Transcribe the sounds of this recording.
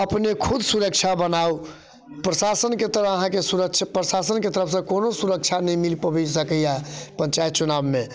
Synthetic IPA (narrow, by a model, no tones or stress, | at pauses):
əpnekʰud̪ʱsuɾək̚t͡ʃʰabənau | pɾəsasənket̪əɾəəɦãkesuɾəkt͡ʃʰapɾəsasənket̪əɾəpsə̃konosuɾək̚t͡ʃʰanɛĩmilipəbisəkəjapə̃ɲt͡ʃajt̪̚t͡ʃunabme